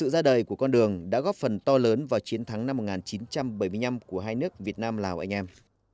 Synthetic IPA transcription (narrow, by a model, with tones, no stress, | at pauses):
sɨ̰˧˨zaː˧ɗəː˨˩jku˧˩əkɔ˧nɗɨ˨˩əŋɗa̰ː˧˥ɣɔ˦˥p̚fə˨˩nt̪ɔ˧ləː˨˦nvaː˨˩wt͡ɕi˨˦ənt̪ʰa˨˦ŋna˧mːo˨˩t̚ŋaː˨˩nt͡ɕi˨˦nt͡ɕa˧mɓə˧˩jmɨ˧əjna˧mku˧˩əɦaː˧jnɨ˦˥ək̚vi˨˩ət̚naː˧mlaː˨˩wʔa̰˧jŋʔɛ˧m